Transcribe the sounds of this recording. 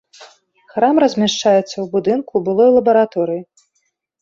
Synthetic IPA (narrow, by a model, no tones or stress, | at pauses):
xɾamrɐzʲmʲaʂt͡ʂajɛt̪sːɐwbud̪ɨnkubɨlˠɔjlˠɐbɐɾat̪ɔɾɨji